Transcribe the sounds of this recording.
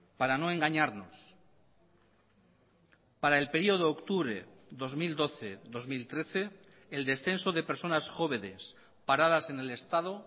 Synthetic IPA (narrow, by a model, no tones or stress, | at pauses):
paɾano̞e̞ŋɡaɲaɾnos | paɾae̞lpe̞ɾio̞ð̞oːkt̪uβɾeðo̞zmild̪o̞θeðo̞zmilt̪ɾe̞θe̞ː | ld̪e̞sθe̞nsoðe̞peɾso̞nasxo̞βenḛs | paɾað̞ase̞ne̞le̞st̪að̞o